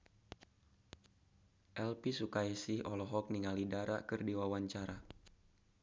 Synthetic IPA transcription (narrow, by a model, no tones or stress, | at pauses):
ʔɛlpisukaisiɔlɔɦɔk̚niŋalidaɾa̰kɨrdiwawaɲt͡ʃaɾa